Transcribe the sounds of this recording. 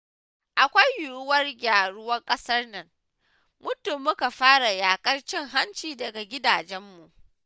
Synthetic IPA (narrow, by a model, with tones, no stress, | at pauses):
ʔa˨kʷa˦jːuː˦˨˦wɐ˦rɡʲaː˨ɽʊ˦wɐ˦ŋkʼɐ˦sɐ˦rnɐ˨ŋ | mʊ˦tʊ˨mːʊ˦ka˨ɸaː˦ɽa˨jaː˨kʼɐ˦rt͡ʃɪ˦ŋɦa˦nt͡ʃiː˨dɐ˨ɡa˨ɡʲɪ˦daː˨d͡ʒɛ˦mːu˨ʔ